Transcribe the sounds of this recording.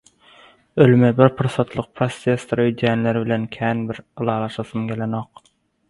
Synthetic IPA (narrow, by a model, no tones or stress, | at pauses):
ølmɛbɪɾpʰuɾsɑt̪lˠɨq̚pʰɾost̪ʰest̪ɾøjd̪ʰænlæɾbɪlɛnkʲʰæːnbɪɾɯlˠɑːlˠɑʃɑsɯmɡʲelenoq